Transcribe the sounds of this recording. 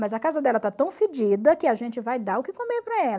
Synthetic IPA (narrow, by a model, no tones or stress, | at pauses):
mɐzɐkazɐd̪ɛlɐt̪at̪ɐ̃w̃fɪd͡ʒid̪ɐkɪaʒẽnt͡ʃɪvajd̪aʊkɪkõmeɾpɾɐɛl